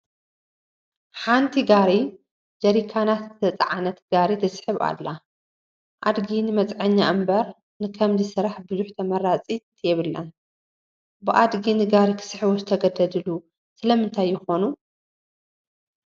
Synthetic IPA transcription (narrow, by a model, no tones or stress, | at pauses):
ħant̪ʰiɡaɾi | d͡ʒɐɾikʰːanat̪zɨt̪ʰɐt͡sʼa̰ʕanɐt̪ɡaɾit̪ʰɐsħɨβa̰lːa | ʔa̰d̪ɡinɨmɐt͡sʼʕɐɲːaʔɨmbɐɾ | nɨkʰɐmzisɨɾaħbɨzuħt̪ʰɐmɐɾat͡sʼit̪ʰjɛβɨlːa | bɨʔad̪ɡinɨɡaɾikʰɨ̥sħɨβozɨt̪ʰɐɡɐd̪ɐd̪ɨlu | sɨlɐmɨnt̪ʰajːɪxo̞nu